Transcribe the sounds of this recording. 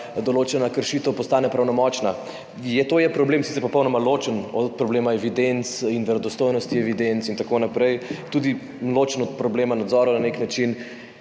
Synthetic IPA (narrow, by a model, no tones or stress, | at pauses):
d̪oloːt͡ʃɛnakəɾʃit̪əwpɔst̪aːnɛpɾawnɔmɔt͡ʃna | jɛt̪oːjɛpɾɔbleːmsit̪sɛɾpɔpɔwnɔmalot͡ʃənɔt̪̚pɾɔbleːmaɛʋid̪ent̪sinʋɛɾɔd̪ɔst̪ojnɔst̪iɛʋid̪ent̪sint̪akonapɾɛjt̪uːd̪i | loːt͡ʃənɔt̪̚pɾɔbleːmanad̪zɔːɾɐnaneknat͡ʃin